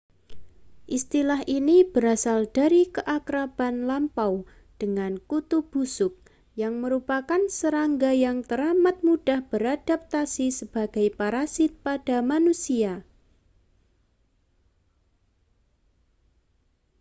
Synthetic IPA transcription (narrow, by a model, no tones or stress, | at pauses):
ʔist̪ilaɦʔinib̥əɾasald̥aɾikəʔakɾab̥anlampaw | d̥əŋankut̪ub̥usʊk̚ | jaŋməɾupakansəɾaŋɡajaŋt̪əɾamat̪̚mud̥ahb̥əɾad̥ap̚t̪asisəb̥aɡ̥ajpaɾasɪt̪̚pad̥amanusia